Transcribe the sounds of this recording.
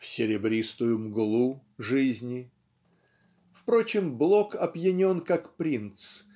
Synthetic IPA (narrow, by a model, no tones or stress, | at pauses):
fsʲɪɾʲɪbɾʲist̪ʊjʊmɡʊlˠuʐɨzʲnʲɪ | fpɾot͡ɕɪmblˠokɐbjɪnʲo̞nkakpɾʲint̪s